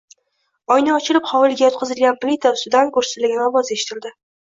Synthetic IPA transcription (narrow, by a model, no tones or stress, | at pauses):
ɒjnɪɒt͡ʃʰɪlɪpχɒwɪlɡʲajɒt̪̚qʰɨzɪlɡʲanplɪt̪ʰaʊst̪ɪd̪ankʰɵɾsɪ̥t̪lɪɡʲɪnɒvɒze̞ʃɪ̥t̪ʰɪld̪ɪ